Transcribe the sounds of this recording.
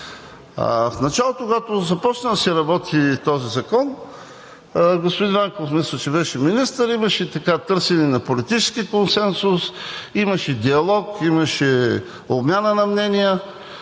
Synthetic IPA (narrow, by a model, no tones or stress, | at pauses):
a̰fnɐt͡ʃalˠot̪okoɡat̪ozɐpɔt͡ʃnəd̪sɛɾɐbɔt̪ʰit̪ɔzizɐkɔn | ɡospod̪invaŋkoofmisət͡ʃɛbɛʃɛminist̪əɾimɐʃɛt̪ɐkat̪ɤɾsɛnɛnɐpolit̪it͡ʃɛ̥skikonsɛnsʊsimɐʃɛd̪iɐlˠɔkimɐʃɛ | obmʲjanənɐmnɛnijə